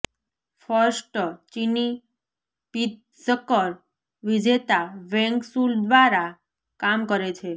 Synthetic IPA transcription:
fəɾsʈt͡ʃini | pit̪̚ | səkəɾ | ʋid͡ʒet̪aʋɛ̃ŋksuld̪ʋaɾa | kamkəɾet͡ʃʰe

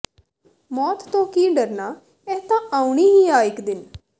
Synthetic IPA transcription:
mɔːt̪ːõːkiːɖəɾnaː | ɛːt̪ãːʔaːuɳiːɦiːaːɪkd̪ɪn

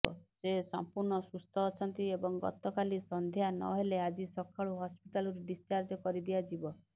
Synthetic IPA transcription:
ɔ̰sesa̰mpuɾɳɔsust̪ʰɔːt͡ʃʰɔnt̪iebɔŋɡɔ̰t̪ɔkalisɔnd̪ʱjanɔ̰ɦelead͡ʒisɔkʰaɭuɦɔspiʈalɔɾeɖist͡ʃaɾd͡ʒɔkɔɾid̪iad͡ʒibɔ

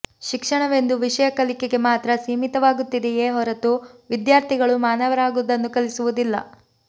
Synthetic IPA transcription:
ʃikʂɐɳɐʋe̞nd̪uʋiʂɐjɐkɐlikeɡe̞maːt̪ɾɐsiːmit̪ɐʋaːɡut̪ːid̪ɛjeːɦɔɾɐt̪uʋid̪jaːɾt̪ʰiɡɐɭumaːnɐʋɐɾaːɡud̪ɐnːukɐlisuʋud̪ilːɐ̰

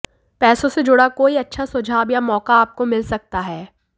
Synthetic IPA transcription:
pɛːsõsed͡ʒʊɽakoːiɐtːʃʰasʊd͡ʒʱaːbjamɔːkaːp̚komɪlsɐk̚t̪aɦɛː

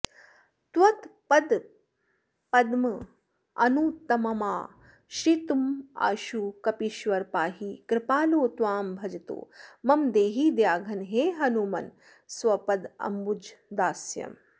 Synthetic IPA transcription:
t̪ʋɐt̪pɐd̪ | pɐd̪mɐ | ɐ̰nuːt̪ɐmɐmaː | ʃɾit̪uma̰ʃukɐpiʃʋɐɾpaːɦikɾɪpaːloːt̪ʋaːmbʱɐd͡ʒit̪o̰ːmɐmd̪eːɦiːd̪jaːɡʱɐnɦeːɦɐnumɐn | swɐpɐd̪ɐ̰mbud͡ʒd̪aːsjɐ̰m

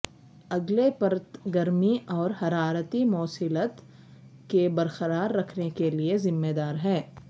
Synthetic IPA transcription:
ɐɡlepɐɾət̪ɡɐɾmiʔɔːɾhɐɾaːɾət̪imɔːsɪlət̪ | kebɐɾxəɾaːɾːɐkʰnekeliezɪmːed̪aːɾɦɛː

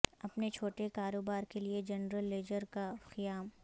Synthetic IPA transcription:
ɐpnet͡ʃʰoːʈekaːɾoːbaːɾkelied͡ʒɐnɾəlːeːd͡ʒəɾkaxɪjaːm

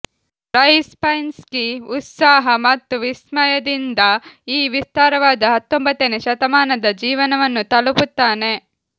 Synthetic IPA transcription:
ɾɐjspɐjnskiut̪saːɦɐmɐt̪ːuʋismɐjɐd̪ind̪ɐiːʋist̪aːɾɐʋaːd̪ɐɦɐt̪ːombɐt̪ːeneʃɐt̪ɐmaːnɐd̪ɐd͡ʒiːʋɐnɐʋɐnːut̪ɐluput̪ːaːne̞

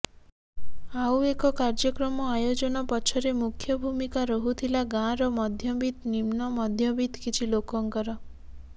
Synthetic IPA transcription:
awekɔkaɾd͡ʒɔkɾɔmɔajod͡ʒɔnɔpɔt͡ʃʰɔɾemukʰjɔbʱumikaɾɔɦut̪ʰilaɡãɾɔmɔd̪ʱjɔbid̪nimnɔmɔd̪ʱjɔbid̪kit͡ʃʰilokɔŋkɔɾɔ

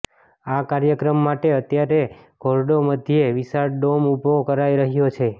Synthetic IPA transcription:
akaɾjəkɾəmːaʈeət̪jaɾeɡʱoɾɖoməd̪ʱjeʋisaɾɖomupokəɾajɾəɦjot͡ʃʰe

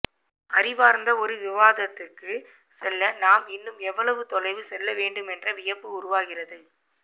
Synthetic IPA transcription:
ɐɾɪʋaːɾnd̪ɐɔɾɯʋɪʋaːðɐt̪ːɯkːɯ | sɛlːɐnaːmɪnːɯmɛʋːɐɭɐʋɯt̪ɔlɐɪʋɯsɛlːɐʋeːɳɖɯmɛndrɐʋɪjɐpːɯʊɾʊʋaːɣɪrɐðɯ

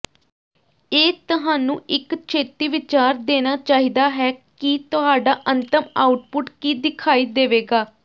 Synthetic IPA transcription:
eːt̪əɦaːnũːɪkt͡ʃʰeːt̪iːʋɪt͡ʃaːɾd̪eːnaːt͡ʃaːɦiːd̪aːɦɛːkit̪ʊɦaːɖaːʔənt̪əmaːʊʈpʊʈkiːd̪ɪkʰaːiːd̪eːʋeːɡaː

